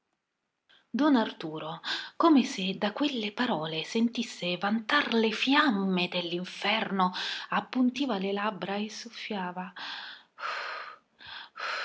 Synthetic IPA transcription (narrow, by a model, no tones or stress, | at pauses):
d̪ɔnart̪uːɾokomesed̪akwelːepaɾɔːlesent̪isːevant̪arlefjamːed̪elːiɱfɛrnoapːunt̪iːvalelabɾaesːofːjaːva